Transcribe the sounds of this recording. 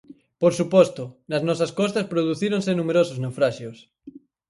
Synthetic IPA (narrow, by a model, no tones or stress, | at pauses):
poɾsupost̪onaznɔsaskɔst̪ɐspɾoð̞uθiɾõnsenumeɾosoznewfɾaʃjos